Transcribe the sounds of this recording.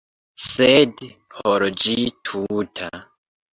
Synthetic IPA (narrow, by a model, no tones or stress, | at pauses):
sedhoɾd͡ʒitʰutʰa